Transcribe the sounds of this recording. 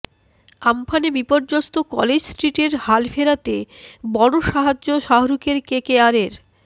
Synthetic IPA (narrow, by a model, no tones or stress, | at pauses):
ampʰanebipoɾd͡ʑost̪okɔ̰led͡ʑsʈɾiʈeɾhalfeɾat̪ebɔɽoʃaɦad͡ʑːoʃaɦoɾukeɾkekeaɾeɾ